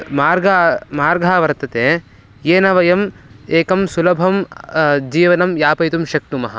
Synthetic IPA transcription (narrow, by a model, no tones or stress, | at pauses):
maːɾɡamaːɾɡʱaːʋɐɾt̪ɐt̪eː | jeːnɐʋɐjɐmeːkɐmsulɐbʱɐmd͡ʒiːʋɐnɐmjaːpɐjt̪̬umʃɐk̚t̪umɐɦɐ̰̆